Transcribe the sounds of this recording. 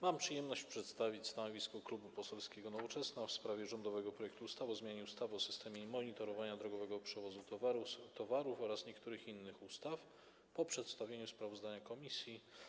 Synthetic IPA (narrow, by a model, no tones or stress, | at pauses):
mampʂɘjɛmnɔɕt͡ɕpʂɛt̪st̪avʲit͡ɕʲst̪anɔvʲiskɔklubupɔsɛlskʲeɡɔnɔvɔt͡ʂɛsnafspɾavʲjɛʐɔnd̪ɔvɛɡɔpɾɔjɛkt̪uust̪avɔzmʲjaɲɛust̪avɔsɘ̥st̪ɛmʲjɛmɔɲit̪ɔɾɔvaɲad̪ɾɔɡɔvɛɡɔpʂɛvɔzut̪ɔvaɾut̪ɔvaɾufɔɾasɲɛkt̪uɾɘxinːɘxust̪af | pɔpʂɛt̪st̪avʲjeɲuspɾavɔzd̪aɲakɔmʲisʲji